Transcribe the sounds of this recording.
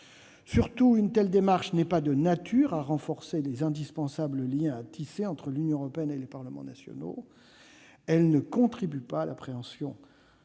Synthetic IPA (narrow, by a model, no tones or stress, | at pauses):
syʁt̪uynt̪ɛld̪emaʁʃnɛpad̪ənat̪ʰyʁaʁɑ̃fɔʁselezɛ̃d̪ispɑ̃sabləljɛ̃at̪ʰiseɑ̃t̪χəlynjɔ̃əʁɔpeɛnelepaʁləmɑ̰̃nasjɔ̰no̰ | ɛlnəkɔ̃t̪χibypaːlapχeɑ̃sjɔ̃